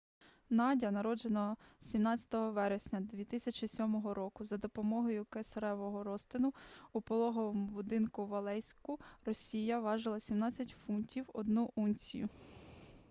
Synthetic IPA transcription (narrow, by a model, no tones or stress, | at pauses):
nɑdʲɐnɐɾɔd͡ʒenɔsʲimnɑt͡sʲɐ̥t̪ɔɦɔʋɛɾesʲnʲɐd̪ʋʲit̪ɪsʲɐt͡ʃɪsʲɔmɔɦɔɾɔkʊzɐd̪ɔpɔmɔɦɔjʊkesɾɛʋɔɦɔɾɔst̪ɪnʊupɔlˠɔɦɔʋɔmʊbʊd̪ɪnkʊʋɐlˠɛjsʲkʊrɔsʲijɐʋɑʒɪlˠɐsʲimnɑt͡sʲːɐtʲfuntʲiwɔd̪nuʔunʲsʲijʊ̰